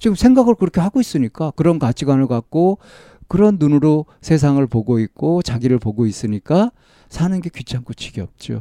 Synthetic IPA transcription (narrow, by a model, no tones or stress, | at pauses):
t͡ɕiɡɯmsʰe̞ŋɡaɡɯɭkɯɾʌkʰe̞ɦaɡois͈ɯɲik͈akɯɾʌnkat͡ɕʰiɡwanɯɭkak̚k͈o | kɯɾʌnːunɯɾo | sʰe̞s̬ʰaŋɯɭpoɡoik̚k͈ot͡ɕaɡiɾɯɭpoɡois͈ɯɲik͈a | sʰanɯnɡe̞kɥit͡ɕʰaŋk͈ut͡ɕʰiɡiʌ̰p̚t͡ɕ͈o̰